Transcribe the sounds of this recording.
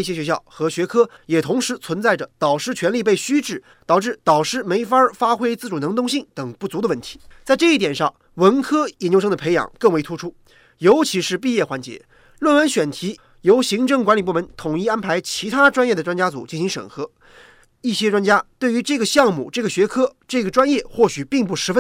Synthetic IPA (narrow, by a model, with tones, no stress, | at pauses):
i˩ɕjɛ˥ɕɥɛ˧˥ɕjɑ˥˩ʊxɤ˧˥ɕɥɛ˧˥kʰɤ˥jɛ˨˩t̪ʰʊ˧˥ŋʂɻ̩˧˥t͡sʰwə˧˥nt͡sa˥˩ɪʈ͡ʂə˩t̪ɑ˨˩ʊʂɻ̩˥˩t͡ɕʰɥɛ˧˥nli˥˧p̬e˥˩ɪɕy˥ʈ͡ʂɻ̩˥˩ | t̪ɑ˨˩ʊʈ͡ʂɻ̩˥˩t̪ɑ˨˩ʊʂɻ̩˥˩me˧˥ɪfɐ˥fa˥xwe˥ɪt͡sɹ̩˥˩ʈ͡ʂu˨˩nɤ˧˥ŋt̪ʊ˥ŋɕi˥˩ŋt̪ɤ˨˩ŋpu˥˩t͡su˧˥ə˧wə˥˩nt̪ʰi̥˧˥t͡sa˥˧ɪʈ͡ʂɤ˥˧i˥˩t̪jɛ˨˩nʂɑ̰˥˩ŋ | wə˧˥nkʰɤ˥jɛ˨˩njo˥ʊʂɤ˥ŋd̪ə˩pʰe˧˥ɪjɑ̰˨˩˦ŋkɤ˥˩ŋwe˧˥ɪt̪ʰu˥ʈ͡ʂʰu˥ | jo˧˥ʊt͡ɕʰi˧˥ʂɻ̩˥˧p̬i˥˧jɛ˥˩xwa˧˥nt͡ɕjɛ̰˧˥ | lwə˥˩nwə˧˥nɕɥɛ˨˩nt̪ʰi˧˥ | jo˧˥ʊɕi˧˥ŋʈ͡ʂɤ˥˩ŋkwa˧˥nli˨˩pu˥˩mə˧˥nt̪ʰʊ˨˩ŋi˥˧a˥npʰa˧˥ɪt͡ɕʰi˧˥t̪ʰa˥ʈ͡ʂwa˥njɛ˥˩d̪ə˩ʈ͡ʂwa˥nt͡ɕja˥t͡sṵ˨˩t͡ɕi˥˩nɕi˧˥ŋʂə̰˨˩nxɤ˧˥ | i˥˩ɕjɛ˥ʈ͡ʂwa˥nt͡ɕja˥t̪we˥˩ɪy˧˥ʈ͡ʂɤ˥˩ɡə˩ɕjɑ˥˧ŋmṵ˥˩ʈ͡ʂɤ˥˩ɡə˩ɕɥɛ˧˥kʰɤ˥ʈ͡ʂɤ˥˩ɡə˩ʈ͡ʂwa˥njɛ˥˧xwɔ˥˩ɕy˨˩pi˥˧ŋp̬u˥˩ʂɻ̩˧˥fə˥n